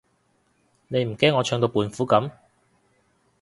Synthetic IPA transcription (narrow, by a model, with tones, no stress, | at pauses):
ne˨˧jm̩˨˩kɛː˥nŋːɔː˨˧t͡ʃʰœː˧ŋt̪o˧wpuː˨˧nfuː˨˥kɐ˨˥m